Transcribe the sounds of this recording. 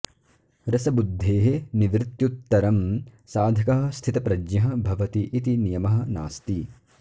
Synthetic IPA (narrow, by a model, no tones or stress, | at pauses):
ɾɐsɐbud̪ʱːeːɦeniʋɾɪt̪jut̪ːɐɾɐmsaːd̪ʱɐkɐɦɐ̆st̪ʰit̪ɐpɾɐd͡ʒɲɐɦɐ̆bʱɐʋɐt̪iʔːt̪inijɐmɐɦɐ̆naːst̪i